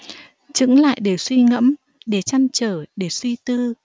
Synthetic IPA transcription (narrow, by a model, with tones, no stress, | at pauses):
t͡ɕɨ̰˧˥ŋla̰ː˧˨jɗe˧˩swi˧ŋə̰˧˥m | ɗe˧˩t͡ɕa˧nt͡ɕəː˧˩ɗe˧˩swi˧t̪ɨ˧